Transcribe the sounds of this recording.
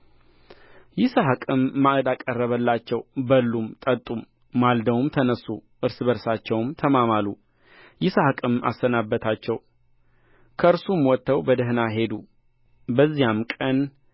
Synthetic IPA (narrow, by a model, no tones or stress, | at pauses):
jɪsaɦɨkʼɨmːaʔd̪akʼərːəβəlːat͡ʃːɛwbəlːumt̪ʼət̪ʼumː | ald̪əwmt̪ʰənəsːu | ʔɨɾsɨbəɾsat͡ʃːɛwmt̪ʰəmamalːu | jɪsahɨkʼɨma̰sːənabːət̪ʰat͡ʃːɛw | kʰəɨɾsumwɔt̪ːəwbəd̪əɦnaɦe̞d̪u | bəzːijamkʼən